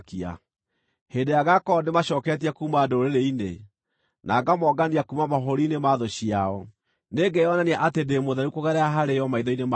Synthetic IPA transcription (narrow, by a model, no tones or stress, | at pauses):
kia̰ | hendejaɣakɔnemaɕɔːkɛt̬iakuːmadooɾeɾeine | naɡamɔɡaniakumamaɦoɾinemaðoɕiaɔ | neɡejɔnaniaʔatendemoðɛɾukoɣɛɾɛaɦaɾejɔmaiðɔinema